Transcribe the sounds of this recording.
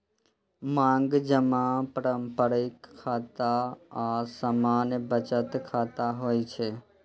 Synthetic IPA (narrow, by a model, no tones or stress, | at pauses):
mãːŋɡd͡ʒəmãpəɾəmpəɾɪkʰːaːt̪aasamaːnjbət͡ʃət̪kʰaːt̪aɦoːit͡ʃʰe